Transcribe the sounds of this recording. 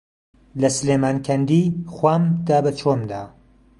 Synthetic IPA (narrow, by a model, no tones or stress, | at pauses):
lɐsɨleːmaːnkʰɐnd̪ixwaːmd̪aːbɐt͡ʃʰomd̪aː